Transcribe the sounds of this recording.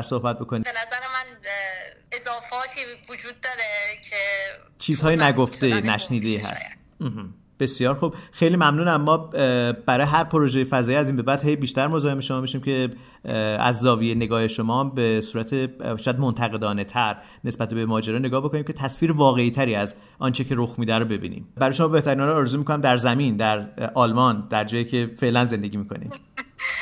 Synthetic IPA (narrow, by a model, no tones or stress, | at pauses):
ɾso̞hbæt̪̚bo̞kʰoniːbenæzæɾemæn | ezɒːfɒːt̪ʰiːvod͡ʒuːd̪̚ːɒːɾecʰe | t͡ʃʰiːzhɒːjenæɡoft̪enæʃniːd̪eiɦæ̰st̪ | m̩ːh | b̥e̞sjɒːɾxub̥xejliːmæmnuːnæmːɒːb̥æɾɒːjeɦæɾpʰoɾo̞ʒejefæzɒːjiːæziːnbe̞bæːd̪̥ɦe̞jbiːʃt̪æɾmozɒːhemeʃomɒːbiʃiːmcʰe̞ | æ̰zːɒːvijene̞ɡɒːhe̞ʃo̞mɒːmbesuːɾæt̪ʰeʃɔjæd̪mont̪ʰæɣe̞d̪ɒːne̞t̪ʰæɾ | ne̞sbæt̪ʰebemɒːd͡ʒeɾɒːne̞ɡɒːhbo̞kʰoniːmcʰet̪ʰæsfiːɾevɒːɣe̞iːt̪ʰæɾiːæz | ʔɒ̰ːnt͡ʃʰecʰe̞ɾoxmiːd̪æɾobe̞bḭːnḭmbæɾɒːjeʃomɒːbe̞ht̪æɾinhɒːɾːɾezuːmikʰonæmd̪æɾzæmind̪æɾɒːlmɒnd̪æɾd͡ʒɒːjiːcʰe̞fe̞ʔlænze̞nd̪e̞ɟiːmikʰo̞̰nḭm